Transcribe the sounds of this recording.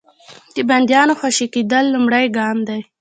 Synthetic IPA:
d̪̥əband̪jɑnoxwaʃiked̪əlːʊmɽajɡɑmd̪aj

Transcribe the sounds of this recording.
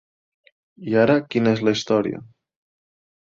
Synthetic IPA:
iaɾəkinəezləist̪ɔɾḭə̰

